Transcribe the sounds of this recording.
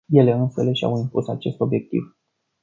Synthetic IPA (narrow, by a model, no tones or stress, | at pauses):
je̞le̞ɨnsele̞ʃa̰wimpusat͡ʃe̞st̪o̞bje̞k̚t̪ḭv